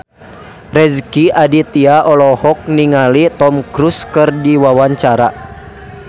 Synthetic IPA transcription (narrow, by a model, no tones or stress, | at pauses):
rɛzkiʔadit̪iaʔɔlɔhɔk̚niŋalit̪ɔmkɾuskɨrdiwawaɲt͡ʃaɾa̰